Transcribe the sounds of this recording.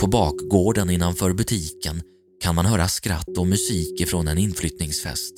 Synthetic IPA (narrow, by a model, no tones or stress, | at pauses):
pʰɔbɑːkɡoːɖənɪnːanfœːɾbɵt̪ʰiːkʰən | kʰanmanɦœːɾaskɾa̰t̪ːɔmɵsiːkɪfɾɔnɛnɪnflʏt̪nɪŋsfɛ̰st̪